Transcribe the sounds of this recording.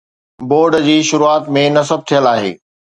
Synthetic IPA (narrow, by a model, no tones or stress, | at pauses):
boːɾɖd͡ʑiːʃʊɾuaːt̪mẽnɐsəb̚ʱt̪ʰijəlaːɦḛː